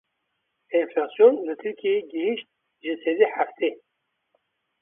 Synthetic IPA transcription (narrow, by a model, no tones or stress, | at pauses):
inflɑːsjonlɨt̪ʰɨɾkʲʰieeɡəhiʃt̪̚ | ʒɨsed̪iħæft̪ʰeː